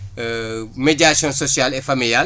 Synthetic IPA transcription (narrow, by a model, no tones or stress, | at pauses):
meɟɾasjɔ̃nsɔsjalɛfɐmiljal